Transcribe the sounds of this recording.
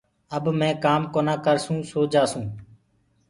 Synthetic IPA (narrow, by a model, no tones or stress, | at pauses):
əbmɛ̃ːkaːmkoːnãːkəɾsũːsoːd͡ʒaːsũː